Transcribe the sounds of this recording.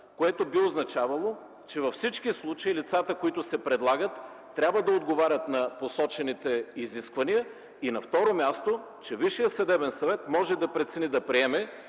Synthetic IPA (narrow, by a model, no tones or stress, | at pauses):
koɛt̪obioznɐt͡ʃavɐlˠo | t͡ʃɛvɐfsit͡ʃkislˠut͡ʃɐilit̪sat̪əkoit̪ʊsɛpɾɛd̪lˠaɡət̪ː | ɾʲabvəd̪ɐod̪ɡovaɾʲət̪nɐposɔt͡ʃɛnit̪ɛiziskvɐniə | inɐft̪ɔɾomʲjast̪o | t͡ʃɛviʃijəsvɐd̪ɛbɛnsɐvɛt̪mɔʒɛd̪ɐpɾɛt̪sɛnid̪ɐpɾiɛmɛ